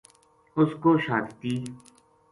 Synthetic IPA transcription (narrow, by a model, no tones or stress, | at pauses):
ʊskoːʃaːtt̪iː